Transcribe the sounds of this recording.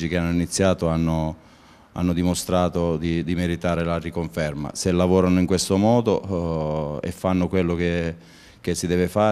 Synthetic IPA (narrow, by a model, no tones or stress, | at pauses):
d͡ʒik̟eanːoinit̪sːjaːt̪oanːo | a̰nːod̪imost̪ɾaːt̪od̪id̪imeɾit̪aːɾelarikoɱfɛrma̰selːavɔːɾanoiŋkwest̪omɔːd̪o | ḛfːanːokwelːoke | k̟esːid̪ɛːvefaː